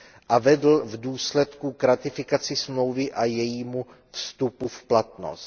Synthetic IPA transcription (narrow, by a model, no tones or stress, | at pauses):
ʔavɛdl̩vduːslɛt̪kukɾat̪ɪfɪkat͡sɪsmlo̞wvɪʔajɛjiːmu | fst̪upufplat̪no̰st̪